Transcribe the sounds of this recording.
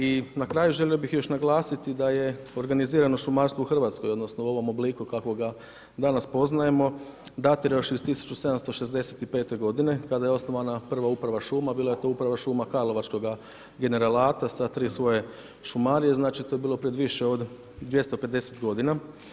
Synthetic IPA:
inakɾaːjuʒe̞lio̞bixjo̞ʃnaɡlˠaːsit̪id̪aje̞o̞ɾɡaniziːɾano̞ʃumaːɾst̪ʋouxr̩ʋaːt̪sko̞jo̞d̪nosnouo̞ʋo̞mo̞blikukako̞ɡa | d̪anaspo̞znaje̞mo̞d̪at̪iɾaoʃist̪isu̥t͡ʃuse̞d̪amst̪oʃe̞zd̪e̞set̪ipe̞ːt̪e̞ɡo̞d̪ine̞kad̪ajeo̞sno̞ʋanapr̩ʋaupɾaʋaʃuːmabiːlˠaje̞t̪o̞ːupɾaʋaʃuːmakaɾlˠo̞ʋat͡ʃko̞ɡa | ɡe̞ne̞ɾalaːt̪asat̪ɾiːsʋo̞je̞ | ʃumaɾije̞znaːt͡ʃit̪o̞jebiːlˠo̞pɾed̪ʋiʃeo̞d̪ | d̪ʋje̞st̪ope̞d̪e̞set̪ɡo̞d̪ina

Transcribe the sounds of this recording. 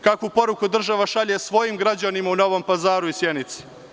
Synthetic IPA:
kakupo̞ɾukud̪r̩ʒaʋaʃaʎesʋo̞jimɡɾad͡ʑanimauno̞ʋo̞mpazaːɾuisjenit̪se̥

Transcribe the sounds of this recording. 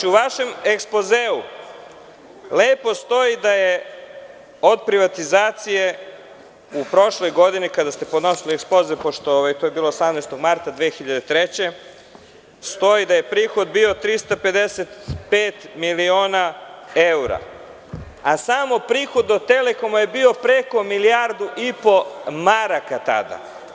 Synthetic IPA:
t͡ʃiuʋaʃe̞mekspozeu | le̞ːpo̞st̪o̞id̪aje | o̞d̪pɾiʋat̪izaːt̪sije̞ | upɾo̞ʃlo̞jɡo̞d̪inikad̪ast̪e̞pod̪no̞silieksplo̞zepoʃt̪ooʋait̪ojebiːlˠoːsamnajst̪o̞ɡmaɾt̪ad̪ʋeːxiʎad̪et̪ɾet͡ɕe̞ | st̪o̞id̪aje̞pɾiːxo̞d̪bio̞t̪ɾist̪ape̞d̪eset̪peːt̪milio̞ːnaeuɾa̰ | asamopɾiːxo̞d̪ot̪e̞le̞ko̞maje̞bio̞pɾe̞ko̞milijaɾd̪uʔipo̞maɾakat̪a̰d̪a̰

